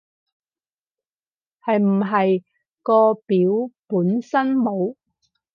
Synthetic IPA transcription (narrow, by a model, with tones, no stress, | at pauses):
hɐ˨jm̩˨˩ɦɐ˨j | kɔː˧piː˨˥wpuː˨˥nsɐ˥nmo˨˧w